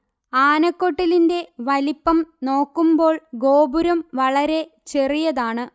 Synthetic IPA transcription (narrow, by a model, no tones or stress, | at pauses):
aːnɐkːo̞ʈːilinde̞ʋɐlipːɐmno̞ːkːumbo̞ːɭɡo̞ːbuɾɐmʋɐɭɐɾe̞ | t͡ɕe̞rijɐðaːɳɨ